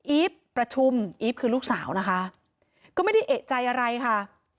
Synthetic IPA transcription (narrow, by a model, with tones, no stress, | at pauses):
ʔiː˦˥pː | ɾa˧t͡ɕʰu˧mʔiː˦˥p̚kʰɯː˧luː˥˩k̚saː˩˦wna˦˥kʰa˦˥ʔ | kɔː˥˩ma˥˩da˥˩jʔeː˨˩t̪̚t͡ɕa˧jʔa˧ɾa˧jkʰa˥˩